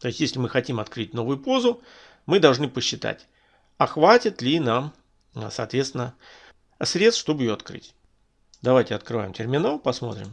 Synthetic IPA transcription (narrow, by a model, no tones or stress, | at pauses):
t̪o̞jɪsʲtʲjesʲlʲɪmɨxɐtʲimɐt̪kɾɨt̚ʲno̞vʊjʊpo̞zʊ | mɨd̪ɐlˠʐnɨpəɕːɪt̪a̰tʲ | ɐxvatʲɪt̪lʲɪnam | sɐːt̪vʲet̪st̪vʲɪnə | sɾʲet̪sʂt̪o̞bɨɪjoɐt̪kɾɨ̰tʲ | d̪ɐvajtʲɪɐt̪̚kɾɨva̰jɪmtʲɪrmʲɪnalˠpɐsmo̞̰t̪ɾʲɪ̰m